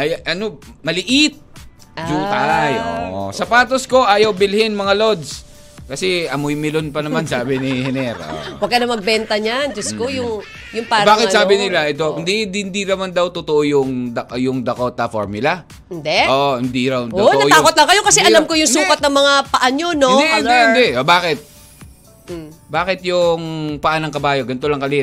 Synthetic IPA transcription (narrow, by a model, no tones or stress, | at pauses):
ʔɐjʔɐno̞mɐlɪʔɪt̪̚ | ʔd͡ʒuːt̪ajo̰ʔo̰sɐpaːt̪osko̞ʔaːjɐwbɪlhɪnmɐŋalo̞d̪s | kɐsɛʔɐmojmɪlonpɐnɐmansaːbɪnɪhɛnɛɾo̰wɐɡ̚kːɐnɐmɐɡ̚bɛnt̪ɐɲand͡ʒɐskkojʊŋ | jʊŋpaːɾbaːkɪt̪saːbɪnɪlaʔɛt̪o̞ɪnd̪inɪnd̪inɐmand̪ɐwt̪ʊt̪oʔojʊŋd̪ɐjʊŋd̪ɐkot̪ɐfoɹmʊlɐ | ɪnd̪ɛʔoʔhɪnd̪iɾaw̪oʔ̪ɐoaːkot̪lɐŋkɐjo̞kɐsɛʔɐlamkojʊŋssuːkɐt̪̚nɐŋmɐŋapɐʔaɲonod̪nd̪ɛɪnd̪ɛʔʔobaːkɪt̪̚ | baːkɪt̪̚jʊŋpɐʔanɐŋkɐbaːjoɡɐnt̪olɐŋkɐli